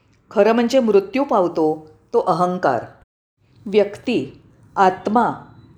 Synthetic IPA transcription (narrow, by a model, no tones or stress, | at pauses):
kʰəɾəm̤əɲt͡ɕemɾut̪jupaʋt̪o | t̪oʔəɦəŋka̰ɾ | ʋjəkt̪i | at̪ma